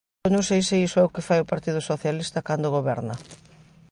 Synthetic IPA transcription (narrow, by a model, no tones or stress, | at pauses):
nõŋ̃sejsɪisʊɛʊkɪfajopaɾt̪iðʊsoθjalist̪ɐkand̪oɣoβɛɾnɐ